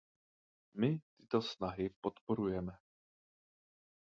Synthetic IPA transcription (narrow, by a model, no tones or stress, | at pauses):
mɪt̪ɪt̪o̞snaɦɪpo̞t̪po̞ɾujɛmɛ